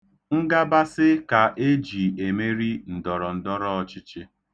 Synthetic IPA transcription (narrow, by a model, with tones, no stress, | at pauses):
ŋ̩˦ɡa˦ba˦sɪ˦ka˨ʔe˦d͡ʒi˨e˨me˦ɾi˦n̩˨dɔ˨ɾɔ˨n̩˨dɔ˦ɾɔ˦ɔ˦t͡ʃɪ˦t͡ʃe˦